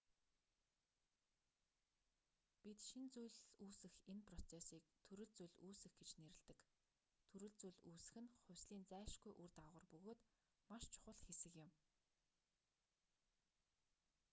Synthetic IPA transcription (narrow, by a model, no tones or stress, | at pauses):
pʲit̪ʃint͡sujɮuːsɘ̆xenpʰrɔt͡sʰesiːk̚t̪ʰɵɾɘ̆ɮt͡sujɮuːsɘ̆xɡet͡ɕneɾɘ̆ɮt̪ɘ̆k | t̪ʰɵɾɵ̆ɮt͡sujɮuːsɘ̥̆xɘ̆nχʊwʲsɮiːnt͡sæːʃɡujʔurt̪aʁə̆rpɵɣoːt̪ | maʃt͡ɕʰʊ̥χə̆ɮtxesɘ̆kjɪ̆m